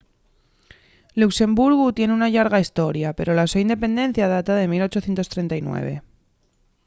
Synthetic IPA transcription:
lukse̞mbuɾɣut̪je̞neunaʎaɾɣaist̪o̞ɾjape̞ɾo̞lasaind̪e̞pe̞nd̪e̞n̟θjað̞at̪aðe̞milo̞t͡ʃoθje̞nt̪ost̪ɾe̞nt̪ajnwe̞̰β̞e̞̰

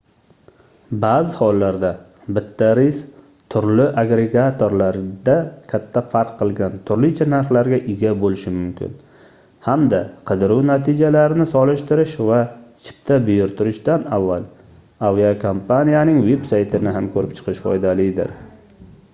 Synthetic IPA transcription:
baːzɪhɒlˠːaɾd̪a | bɪt̪ʰːaɾɪs | t̪ʰʊɾlɪʔaɡɾeɡat̪ʰoɾlaɾd̪akʲʰat̪ʰːafaɾqʰːɨlˠɡʲant̪ʰʊɾlɪt͡ʃʰanaɾχlaɾɡʲaʔɪɡʲabolɪʃɪmʊmkʲʰɪ̰n | hamd̪aqʰɨd̪ɪɾuwnat̪ʰid͡ʒalaɾɪnɪsɒlˠɪʃt̪ɪɾɪʃvat͡ʃʰɪ̥p̚t̪ʰabʊjʊɾt̪ʰʊɾɪʃd̪anavːal | aviakʰompʰanijanɪŋve̞bsajt̪ʰɪnɪɦamkʰɵɾɪpt͡ʃʰɨ̥qʰɨʃfɒ̰jd̪alɪd̪ɪ̰ɾ

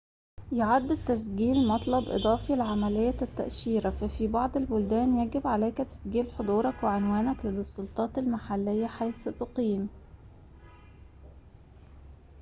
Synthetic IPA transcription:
joʕad̪ːɪt̪ːæs̬ɡiːlmɑt̪ˤlɑbʔɨ̰d̪ˤɑːfilʕamælejːæt̪ːæ̰ʔʃiːɾæfæfibɑʕd̪ˤelbʊld̪æːnjæɡɪbʕalæjkæt̪æ̥sɡiːlħod̪ˤuːɾˤɑkweʕenwæːnæklelsˤːolt̪ˤɑːt̪elmaħalːejːæħajθt̪oqiːm

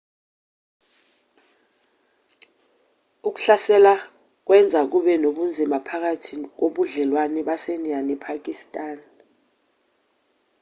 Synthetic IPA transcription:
uk̬u̥ɬasɛla | k̬wɛnd͡zʱak̬uɓɛnoɓund͡zʱimapʰak̬atʰik̬oɓuɮɛlwanɛɓasenianɛpʰak̬ʼistʼaːn

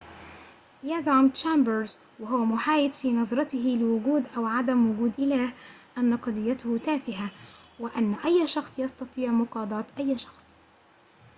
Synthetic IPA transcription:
jazɑmt̪t͡ʃambəɾz | wɪɦʊwamʊħaːjɪd̪fiːnɑðˤɾˤɑt̪ɪɦɪlɪwʊɡuːd̪ʔawʕad̪amwʊɡuːd̪ʔɪlaːhʔanːɑqɑd̪ˤɪjːat̪ʊhʊt̪aːfɪɦawɪʔanːaʔajːʃɑxsˤjɑst̪ɑt̪ˤiːʕmʊqɑːd̪ˤɑːt̪ʔajːʃɑ̥xsˤ

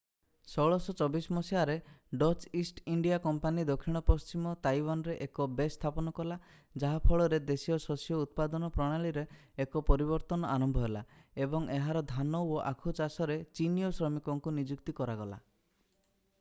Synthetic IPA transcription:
sɔɭɔsɔt͡ʃɔbismɔsiaɾeɖɔt͡ʃisʈiɳɖijakɔmpanid̪ɔkʰːiɽ̃ɔpɔst͡ʃimɔt̪ajwanɔɾeʔekɔbest̪ʰapɔnɔkɔla | d͡ʒaɦapʰɔɭɔɾed̪esijɔsɔsijɔut̪̚pad̪ɔnɔpɾɔɽ̃aɭiɾe | ekɔpɔɾiβɔɾt̪ɔnɔʔaɾɔmbʱɔɦelaebɔŋeɦaɾɔd̪ʱanɔwɔʔakʰut͡ʃasɔɾet͡ʃinijɔsɾɔmikɔŋkunid͡ʒukt̪ikɔɾaɡɔla̰

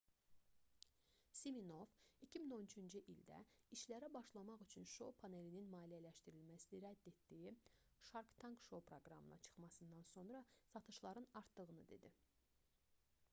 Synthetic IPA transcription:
simino̞vicʰimino̞nyt͡ʃʰynd͡ʒɯʔild̪æ̰iʃlæɾæbɑʃlˠɑmɑχyt͡ʃʰynʃo̞̰pʰɑne̞lininmɑːlijælæʃt̪iɾilmæsiniɾæd̪ːe̞t̪d̪iji | ʃɑɾkt̪ʰɑŋkʃo̞pʰɾo̞ɡɾɑ̰mɯ̰nɑ̰t͡ʃʰɯ̥χmɑsɯnd̪ɑnso̞nɾɑsɑt̪ʰɯʃlˠɑɾɯnɑɾt̪d̪ɯʁɯnɯd̪e̞̰d̪i

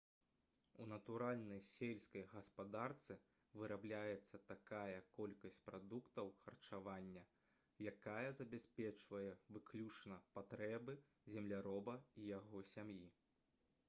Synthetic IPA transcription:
unɐt̪uɾalʲnɐjsʲelʲsʲkɐjɣɐspad̪art̪sɨ | vɨɾʔablʲajɛt̪sːɐt̪akajɐkɔlʲkɐsʲt͡sʲpɾad̪ukt̪ɐwxɐrt͡ʂavanʲːɐ | jakajɐzɐbʲasʲpʲɛt͡ʂvɐjɛvɨklʲut͡ʂnɐpat̪ɾɛbɨ | zʲɛmlʲaɾɔbɐijaɣɔsʲamji

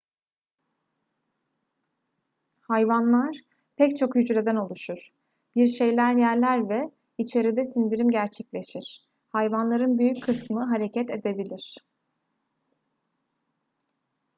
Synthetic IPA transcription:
hajvanlˠaɾ̥ | pʰɛct͡ʃʰo̞kjyd͡ʒɾe̞d̪æno̞lˠuʃuɾ̥ | b̥iɾʃe̞jlʲæɾjæɾlʲæɾvɛ | it͡ʃʰe̞ɾid̪ɛsind̪iɾimɟæɾt͡ʃʰɛclʲe̞ʃiɾ̥ | hajvanlˠaɾɯnbyjyckʰɯsmɯɦaɾe̞cʰɛt̪e̞d̪e̞bilʲiɾ̥

